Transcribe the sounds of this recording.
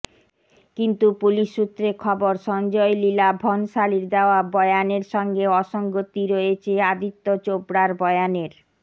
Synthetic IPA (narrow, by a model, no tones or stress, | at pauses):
kint̪upuliʃːut̪ːɾekʰɔboɾʃɔnd͡ʑɔelilabʱɔnʃaliɾd̪eoabɔjaneɾʃɔŋɡeɔʃoŋɡot̪iɾoet͡ɕʰead̪it̪ːot͡ɕobɽaɾbɔeaneɾ